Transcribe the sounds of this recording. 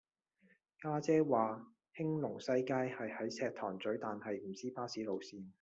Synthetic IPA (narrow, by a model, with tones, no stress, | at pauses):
kaː˥t͡sɛː˥waː˨ | hɪ˥ŋlʊ˨˩ŋsɐ˥jkaː˥jhɐ˨jhɐ˨˥jsɛː˧k̚t̪ʰɔː˨˩ŋt͡sɵ˨˥ɥt̪aː˨nhɐ˨jm̩˨˩t͡siː˥paː˥siː˨˥lo˨wsiː˨˧n